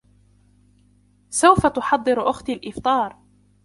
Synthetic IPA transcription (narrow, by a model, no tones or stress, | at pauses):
sawfat̪ʊħɑd̪ˤːɨɾʔʊxt̪alʔɪft̪ˤɑːɾˤ